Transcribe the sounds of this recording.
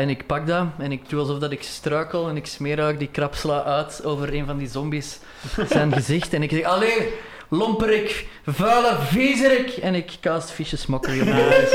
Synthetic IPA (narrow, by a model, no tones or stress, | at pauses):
ɛnɪkpɑɡ̚daɛnɪk̚duɑlˠzɔvdɑtɪkstrøːkəlˠɛnɪksmeːɾaːk̚dikrɑpsəlaːʔœːtoːvəɾeːnvɑndizɔmbis | zɛnɣəzɪxtɛnɪksɛxɑleː | lɔmpəɾɪk | vœːləviːzəɾɪkɛnɪkːɑːstfiʃəsmɔkələn